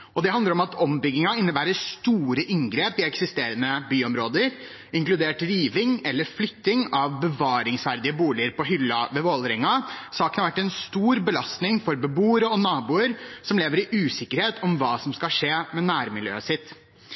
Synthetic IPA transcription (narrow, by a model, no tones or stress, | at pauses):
ɔd̪ɛɦɑnd̪əɾɔmɑt̪ʰɔmbʏɡːɪŋɑɪnːəbæːɾəst̪uːɾəʔɪŋɡɾeːpɪɛksɪst̪eːɾənəbyːɔmɾoːd̪əɾ | ɪŋklʉd̪eːʈɾiːʋɪŋɛlːəɾflʏt̪ːɪŋɑʋbəʋɑːɾɪŋsʋæɾd̪ɪəbuːlɪəɾpɔɦʏlːɑʋɛʋoːlɾɛŋːɑsɑːkənhɑʋæʈːɛnst̪uːɾbəlɑst̪nɪŋfɔɾbəbuːəɾəɔnɑːbuːəɾsɔmleːʋəɾɪʔʉːsɪkəɾheːt̪ʰɔmʋɑːsɔmskɑlʂeːmɛnæːɾmɪljø̰ːəsɪt̪ː